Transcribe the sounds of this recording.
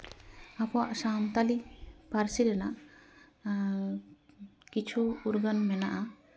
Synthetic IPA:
apɔwaʔsamt̪alipaɾsiɾɛnaʔ | kit͡ʃʰuuɾɡənmɛnaʔa

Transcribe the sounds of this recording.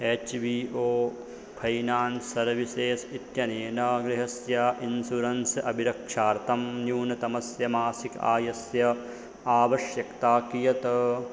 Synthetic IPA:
eːt͡ʃʋiːoː | pʰɐjnaːnsɐɾʋiseːsit̪jɐneːnɐɡɾɪɦɐsjaʔinsuɾɐnsɐbʱiɾɐkʂaːɾt̪ʰɐmnjuːnɐt̪ɐmɐsjɐmaːsika̰ːjɐsjɐ | aːʋɐʃjɐkt̪aːkijɐt̪ɐ

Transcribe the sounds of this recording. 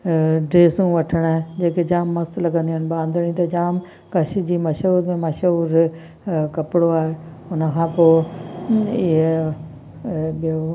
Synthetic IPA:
ɖeːsũʋɐʈʰəɽ̃aːɦẽd͡ʑeːked͡ʑaːmːɐst̪lɐɡə̃nd̪iɦənɪbaːnd̪əɽ̃ĩt̪ɐd͡ʑaːm | kɐʃid͡ʑiːmɐʃuːɾmẽmɐʃɦuːɾ | kɐpɪɽoaːɦe | ʊnə̆kʰãːpoː | ɪɦe | ɓijo

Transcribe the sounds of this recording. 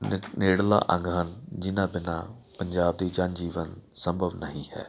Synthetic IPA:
neːɽla̰ːʔə̃ŋɡənd͡ʒɪnaːbɪna̰ː | pəɲd͡ʒaːb̚d̪iːd͡ʒand͡ʒiːʋənsə̃mbʱəʋnəɦĩːhɛ̰ː

